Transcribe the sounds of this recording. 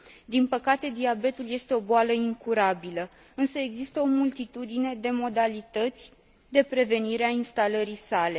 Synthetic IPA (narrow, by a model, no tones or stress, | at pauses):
d̪inpəkat̪e̞d̪iabe̞t̪ulje̞st̪e̞o̞boaləiŋkuɾabilə | ɨnsəe̞ɡzist̪əo̞mult̪it̪ud̪ine̞d̪e̞mo̞d̪alit̪ət̪sʲ | d̪e̞pɾe̞ve̞niɾeainst̪aləɾisale̞